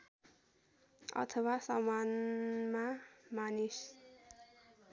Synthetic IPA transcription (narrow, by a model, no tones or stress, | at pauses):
ʌ̰t̪ʰʌwasʌmanmamanis